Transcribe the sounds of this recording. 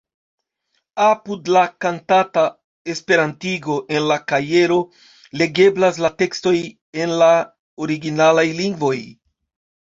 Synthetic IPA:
apudlakantata | e̞spe̞ɾantiɡo̞ʔe̞nlakaje̞ɾo̞ | le̞ɡe̞blas̬late̞ksto̞j | e̞nla | oɾiɡinalajliŋɡvo̞j

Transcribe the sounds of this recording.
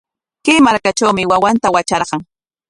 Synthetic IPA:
kemaɾkat͡ʃawmɪwawant̪awat͡ʃɑɾɢɑŋ

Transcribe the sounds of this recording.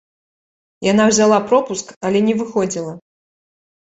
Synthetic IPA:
jan̪awzʲalˠapɾɔpuskɐlʲɛnʲɛvɨxɔd͡zʲilˠɐ

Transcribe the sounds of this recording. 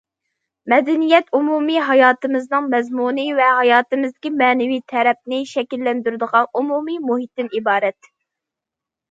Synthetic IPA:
mɛd̪ɛnijɛt̪umumiɦɑjɑːt̪ɨmɨznɨŋmɛzmunɨvɛɦɑjɑːt̪ɨmɨzd̪ɪkʲimɛːnɪwit̪ʰɛɾɛp̚nɪʃɛkʲilːɛnd̪yɾɪd̪əʁɑnumumimuɦit̪ːɨnibɑːɾɛt̪

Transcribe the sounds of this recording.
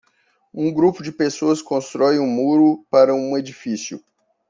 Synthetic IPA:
ũɡɾupʊd͡ʒɪpesoɐskõst̪ɾɔjũmuɾʊpaɾɐũed͡ʒifisjʊ̰

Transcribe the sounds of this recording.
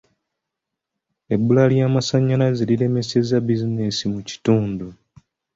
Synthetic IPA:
e̞bːulaljaːmasaɲːalaziliɾe̞me̞se̞zabizinesimuci̥tuːndu

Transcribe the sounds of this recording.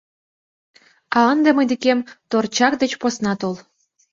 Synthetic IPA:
ɑənd̪emɤjd̪ekemt̪ort͡ɕɑk̚d̪ĕt͡ɕposnɑt̪olˠ

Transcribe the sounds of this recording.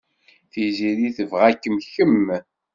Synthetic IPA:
θiziɾiθəvʁækːəmçəm

